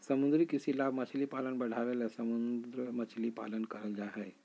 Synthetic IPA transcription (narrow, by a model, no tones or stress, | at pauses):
səmũnd̪ɾikisilabmɐt͡ʃʰlipalənbɐɽ̤ʱaʋelasəmund̪ɾəmɐt͡ʃʰlipa̰lənkəɾəld͡ʒaɦɛj